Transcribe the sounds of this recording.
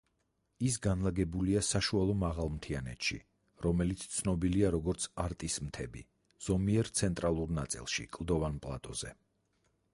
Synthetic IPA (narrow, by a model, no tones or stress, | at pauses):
is̬ɡanlˠaɡɛbuliasaʃualˠɔmaʁalˠmt̪ʰianɛ̰t̪ʃḭ | ɾɔmɛlit̪sʰt̪sʰnɔbiliaɾɔɡɔɾt̪sʰaɾt̪ʼismt̪ʰɛbḭ | z̥ɔmiɛɾt̪sʰɛnt̪ʼɾalˠuɾnat̪sʼḭlˠʃḭkʼlˠd̪ɔvanpʼlˠa̰t̪ʼɔz̥ɛ̰